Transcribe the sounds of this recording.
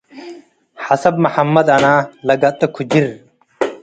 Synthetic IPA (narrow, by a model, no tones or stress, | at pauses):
hɐsɐbmɐħɐmːɐd̪ɐnãːlɐɡɐt̪ːɐkʰud͡ʑiɾ